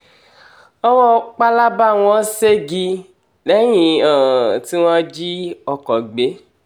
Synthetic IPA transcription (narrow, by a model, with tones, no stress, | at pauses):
ɔ˦wɔ˦k͡pa˦la˦ba˦˨w̃ɔ̃˦se˦ɡi˧ | lɛ˨˦j̃ĩ˧a˨ti˦w̃ɔ̃˦d͡ʒi˦ɔ˧kɔ˨ɡ͡be˨˦